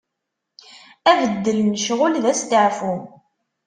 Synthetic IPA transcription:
ævəd̪ːəlnəʃʁʊlðæst̪əʕfum

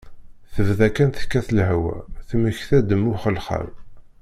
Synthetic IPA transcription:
θəvðækænθkːæθlɦwæ̰θməçθæd̪əmːʊχəlχə̰ɾ

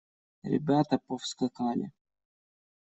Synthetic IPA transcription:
ɾʲɪ̰bʲat̪əpofskɐkalʲɪ̰

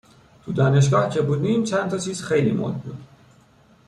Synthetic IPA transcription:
t̪ʰud̪ɒːneʃ̬ɡɒːhcʰebuːd̪iːmt͡ʃʰænt̪ʰɒt͡ʃʰiːz̥xejlḭːmo̰d̪bṵːd̪̥

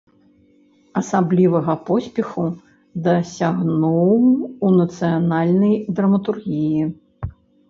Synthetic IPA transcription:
ɐsablʲivɐɣɐpɔsʲpʲɛxu | d̪ɐsʲaɣnuwunɐt̪sɨjanalʲnɐjd̪ɾɐmɐt̪urɣʲiji

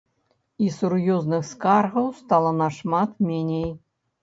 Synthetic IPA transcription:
isurjɔznɨxskarɣɐwst̪alˠɐnɐʂmat̪mʲenʲej

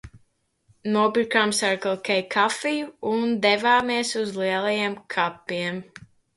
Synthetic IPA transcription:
nuɔbiɾkaːmsaɾkɨlˠkʲɛjkʰafijuund̪ɛvaːmiɛsuzliɛlˠajɛmkʰapːiɛm

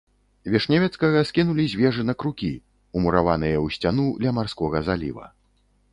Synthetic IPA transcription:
vʲɛʂnʲavʲɛt̪skɐɣɐskʲinulʲizʲvʲɛʐɨnɐkɾukʲḭ | umuɾavanɨjɐwsʲt͡sʲanulʲɐmarskɔɣɐzalʲḭvɐ̰

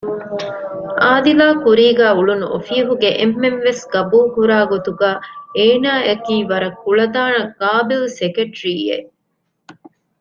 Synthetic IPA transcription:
ʔaːd̪ilaːkuɾiːɡæːuɭunuʔofiɐɦuɡeʔemːemʋesɡ̥ɐbuːkuɾaːɡot̪uɡaːeːnaːʔɐkiːʋɐɾɐkːuɭɐd̪aːnɐɡaːbilsekeʈɾiːḛ

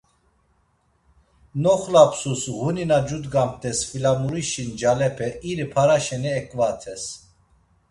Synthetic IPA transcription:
nɔχlapʰsusɣuninad͡ʒud̪ɡam̚t̪ʼɛsfilamuɾiʃind͡ʒalɛpʰɛʔiɾipʰaɾaʃɛnɛɛkʼvat̪ʰɛs

